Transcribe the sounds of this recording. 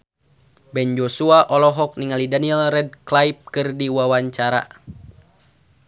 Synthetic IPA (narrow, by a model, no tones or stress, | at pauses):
bɛnd͡ʒosuaʔɔlɔɦɔk̚niŋalidaniɛlrɛd̚klaip̚kɨrdiwawaɲt͡ʃaɾa̰